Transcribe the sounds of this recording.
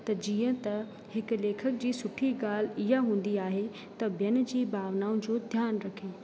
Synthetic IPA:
t̪ɐd͡ʑiːə̃t̪ɐ | hɪkleːkʰək̚d͡ʑiːsʊʈʰiɡaːl̤ɪɦaɦũːn̆d̪iaːɦe | t̪ɐbʱjɐnd͡ʑiːbʱaːʋnaːũd͡ʑoːd̪ʱjaːnɾɐkʰeː

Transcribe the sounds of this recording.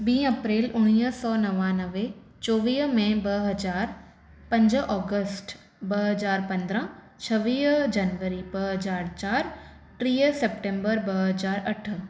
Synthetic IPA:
bĩːɐpɾeːlʊɽ̃iːɦsɔːnɐʋanɐʋe | t͡ɕoːʋiːɦmẽbɐɦɐzaːɾ | pɐ̃ɲd͡ʑʔɔːɡəsʈ | bɐɦɐzaːɾpɐ̃nd̪ɾã | t͡ɕʰɐʋiːɦd͡ʒɐnʋəɾibɐɦɐzaːɾt͡ɕaːɾ | ʈɾiːsepʈẽːmbəɾbɐɦɐzaːɾɐʈʰ

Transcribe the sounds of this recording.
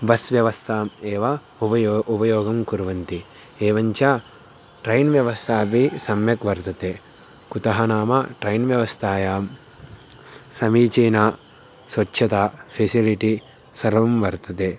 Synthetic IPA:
bɐsʋjɐʋɐst̪ʰaːmeːʋɐ | upɐjʔupɐjoːɡɐmkuɾʋɐnt̪i | eːʋɐɲt͡ʃɐ | ʈɾɐjnʋjɐʋɐst̪ʰaːpisɐmjɐkʋɐɾt̪ɐt̪eː | kut̪ɐɦɐnaːmɐʈɾɐjnʋjɐʋɐst̪ʰaːjaːm | sɐmiːt͡ʃeːnaː | sʋɐtːʃʰɐt̪aːpʰeːsiliʈi | sɐɾʋɐmʋɐɾt̪ɐt̪eː

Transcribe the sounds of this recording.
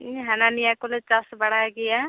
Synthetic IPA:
ɦananijakolet͡ʃasbɐɽ̤aɡija

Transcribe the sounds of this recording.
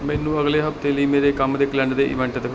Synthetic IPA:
mɛ̃ːnũːəɡleːɦəbt̪eːləiːmeːɾeːkəmd̪ekʰlɛ̃ɳɖd̪eːʔɪ̰ʋɛ̃ɳʈd̪ə

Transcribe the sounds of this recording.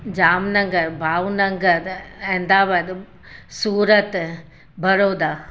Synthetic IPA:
d͡ʑaːmnɐ̃ŋɡəɾbʱaːʋnɐ̃ŋɡəɾɛ̃ɦɪ̃n̆d̪aːʋəɗ̪ | suːɾət̪ | bɐɾoːd̪aː

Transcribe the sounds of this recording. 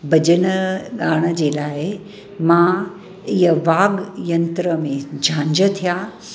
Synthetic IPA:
bɐd͡ʑəñəɠaːɽ̃əd͡ʑeːlaːɪ | mã | ɪɦəʋaːɡjɐ̃nt̪ɾəmẽd͡ʑʱãːɲd͡ʑət̪ʰijaː

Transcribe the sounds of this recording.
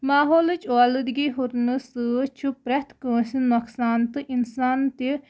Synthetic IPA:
maːɦoːlɨt͡ʃɔlɨd̪ɡʲiɦuɾnɨsɨt͡ʃʰupɾɐt̪ʰkə̃ːsinoksaːnt̪ɨʔinsaːnt̪i

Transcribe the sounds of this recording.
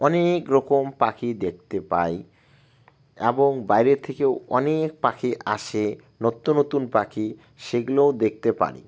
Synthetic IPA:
ɔnekɾɔkompakʰid̪ek̚ʰt̪epa̰j | ḛboŋbajɾeɾt̪ʰːekewɔ̰nek̚pakiʔa̰ʃe | not̪ːonot̪unpaki | ʃeɡuleod̪ek̚t̪epa̰ɾḭ

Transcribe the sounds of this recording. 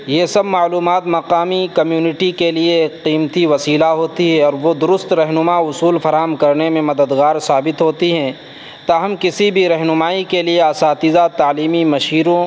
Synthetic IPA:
jesɐbmaːluːmaːt̪mɐqaːmikɐmjuːnɪʈikelieːkqiːmt̪iʋɐsiːlaɦoːt̪iɦɛɔːɾʋod̪ʊɾʊst̪ɾɐɦnʊmaʊsuːlfɐɾaːɦəmkɐɾnemẽmɐd̪əd̪ɣaːɾsaːbɪt̪ɦoːt̪iɦɛ̃ː | t̪aːɦɐmkɪsibʱiɾɐɦnʊmaːikelieasaːt̪ɪzat̪aːliːmimɐʃiːɾõ

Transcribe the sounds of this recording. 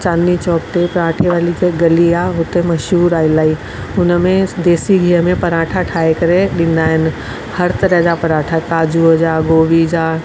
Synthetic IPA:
t͡ʃaːnːit͡ʃɔːk̚ʈ̪epɾãːʈʰeʋaːliɡɐlijaɦʊt̪emɐʃɦuːɾaːɪlaːi | ʊnmẽd̪eːsiɡʱiɦəmẽpɐɾãːʈʰaʈʰaːekɐɾeɗɪ̃nd̪aːɦɪn̆ | hɐɾt̪ɐɾɛɦd͡ʒapɐɾaːʈʰakaːd͡ʒuəd͡ʒaːɡoːʋid͡ʑaː

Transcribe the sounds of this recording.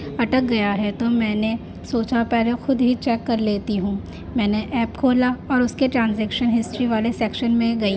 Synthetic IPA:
ɐʈək̚ɡɐjaɦɛt̪omɛ̃ːne | soːt͡ʃapɛːɾexʊd̪ɦit͡ʃɛːkːɐɾleːt̪iɦũː | mɛ̃ːneʔɛːpkʰoːlaɔːɾʊskeʈɾãːnzɛːkʃənɦɪsʈɾiʋaːlesɛːkʃənmẽɡɐi

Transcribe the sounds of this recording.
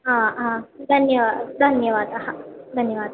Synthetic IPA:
ɦããd̪ʱənjəʋad̪d̪ʱənjəʋad̪aɦad̪ʱənjəʋaːd̪

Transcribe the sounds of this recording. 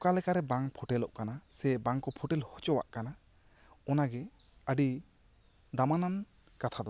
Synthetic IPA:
kalɛkaɾɛbaŋpʰɔʈɛlɔʔkanasɛbaŋkɔpʰɔʈɛlhɔt͡ʃɔwa̰ʔkana | ɔnaɡɛəɖi | d̪amanan | kat̪ʰad̪ɔ

